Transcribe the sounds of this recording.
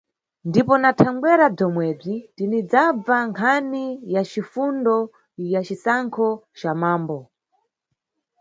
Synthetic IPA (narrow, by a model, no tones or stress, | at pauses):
ndipɔnatʰaŋɡwɛɾab͡ʐɔmwɛːb͡ʐidinid͡zab͡vaŋkʰanijat͡ʃifundɔ | jat͡ʃisaŋkʰɔt͡ʃamaːmbɔ